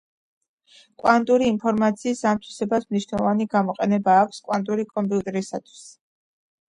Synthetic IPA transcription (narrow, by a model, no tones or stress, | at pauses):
kʼwant̪ʼuɾiːmpʰɔɾmat̪sʰiːsamt̪ʰwi̥sɛbasmniʃnɛlˠɔvaniɡamɔqʼɛnɛbaːkʷʰskʼwant̪ʼuɾikʼɔmpʼiut̪ʼɛɾisat̪ʰwi̥s